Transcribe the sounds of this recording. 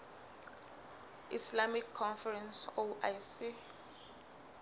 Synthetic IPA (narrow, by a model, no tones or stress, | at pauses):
ḭslamikʰːɔnfɛɹɛ̃nsoʔajsi